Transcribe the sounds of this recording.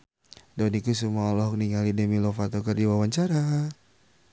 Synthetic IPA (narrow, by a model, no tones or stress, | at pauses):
dɔnikusumualɔhkniŋalidemilofat̪okərdiwawaɲt͡ʃaɾa